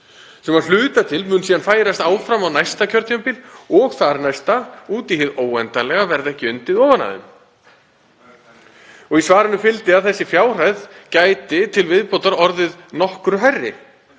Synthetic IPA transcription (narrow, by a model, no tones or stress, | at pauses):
sɛmaðl̥ʏːt̪at̪ʰɪlmʏːnsiːðanfaːjɾast̪aːwfɾamawnajst̪acʰœɾt̪jœmpɪlɔɣθaɾnajst̪auːt̪ihɪðoːwɛnt̪alɛɣavɛɾðɛhcɪʏnt̪ɪðɔːvana̰ðʏ̰m | ɔɣisvaːɾɪnʏfɪlt̪ɪaðθɛsːɪfjaːwr̥ajðcaːjt̪ɪt̪ʰɪlvɪðpowt̪aɾɔɾðɪðnɔhkɾʏɦɛrːɪ̰